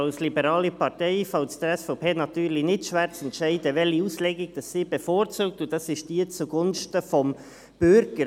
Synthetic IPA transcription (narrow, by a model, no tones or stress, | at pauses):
ɑʊslibəɾɑːlipɑɾtɛɪfɑʊsd̥əɾɛsfɑʊpʰeːnɑtyːɾlinɪtʃʋæːɾt͡sɛntʃɛɪdəʋɛlhiuːslɛɡɪɡ̚d̥ɑsːiːb̥əfoːɾt͡suːk̚tʊnd̥ɑsɪʃd̥iːt͡suɡʊnʃtəfɔm | b̥ʏɾɡ̥əɾ